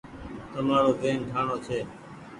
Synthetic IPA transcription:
t̪əmaːɾoːbeːnʈʰaːɳoːt͡ʃʰeː

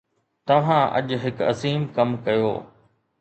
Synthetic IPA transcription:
t̪ɐʋ̤ãʔɐ̰ʄɦɪkɐ̰ziːmkɐmkɐjo̰ː

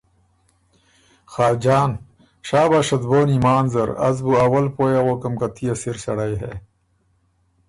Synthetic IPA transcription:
xaːd͡ʑaːn | ʂaːbaːʂɐd̪boːnimaːnzɐɾɐ̰zbuɐwɐlpoːjeɣoːkɐmkɐt̪ʰijɐsiɾɕɐɽɐjɦḛː

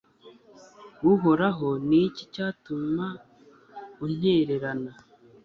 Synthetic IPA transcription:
wuɦo̞ɾaɦo̞nicicaːtuma | un̥eɾe̞ɾana

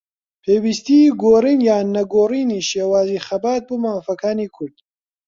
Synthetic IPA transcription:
pʰeːwist̪iɡoːriːnjaːnːɐɡoːriːniːʃeːwaːziːxɐbaːt̪̚boːmaːfɐkʰaːniːkʰʊɾd̪̥

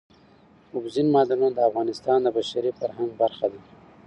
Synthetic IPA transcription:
ʊbzinmɑːd̪anund̪əafɣɑnɪst̪ɑːnd̪əbaʃaɾifaɾɦaŋɡbaɾxad̪a

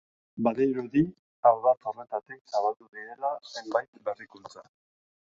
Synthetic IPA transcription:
baðejɾoði | awðat̪o̞re̞t̪at̪iksaβald̪uɣiɾe̞lase̞mbajt̪be̞rikult͡sa

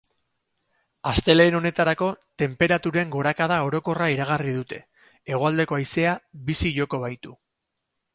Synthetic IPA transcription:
ast̪e̞le̞ːno̞ne̞t̪aɾako̞t̪e̞mpe̞ɾat̪uɾe̞ŋɡo̞ɾakaðao̞ɾo̞ko̞raiɾaɣ̞arið̞ut̪e̞ | eɣ̞oald̪e̞ko̞ajse̞aβisiʝo̞ko̞β̞ajt̪u

